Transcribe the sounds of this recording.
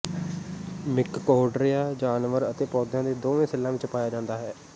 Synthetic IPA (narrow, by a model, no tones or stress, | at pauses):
mɪkːoːɖɾɪjaːd͡ʒaːnʋəɾət̪eːpɔːd̪jãːd̪eːd̪oːʋẽːsɪlːãːʋɪt͡ʃəpaːjaːd͡ʒãːnd̪aːɦɛː